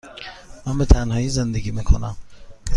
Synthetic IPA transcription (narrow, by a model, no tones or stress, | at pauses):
mænbe̞t̪ʰænhɒːiːzend̪eɡiːmiːkʰonæm